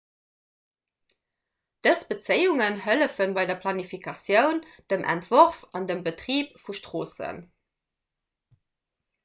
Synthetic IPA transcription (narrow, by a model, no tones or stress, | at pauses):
d̥əsb̥ət͡səɪuŋənɦələfənbɑɪdɐpʰlɑnifikʰɑsjəʊnd̥əmʔæ̰ntv̥oʁfɑndəmbətʁiːpfuʃtʁoːsə̰n